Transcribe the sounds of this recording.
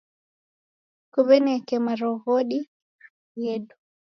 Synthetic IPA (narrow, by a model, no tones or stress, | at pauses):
kuβɛnɛkɛmaɾɔɣɔɗi | jɛdu